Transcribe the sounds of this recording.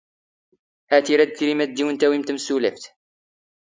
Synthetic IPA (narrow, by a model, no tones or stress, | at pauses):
hæt̪iɾæd̪̚ɡɾimæd̪ːiwənt̪æwimt̪əmsulæft̪